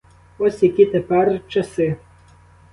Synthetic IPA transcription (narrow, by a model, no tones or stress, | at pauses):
ɔsʲjɐkʲit̪ɛpɛrt͡ʃɐsɪ